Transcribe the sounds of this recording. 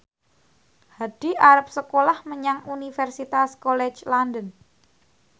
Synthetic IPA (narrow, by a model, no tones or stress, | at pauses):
had̥i̤aɾəp̚səkolahməɲaŋunifɛrsit̪askolɛt͡ʃlandən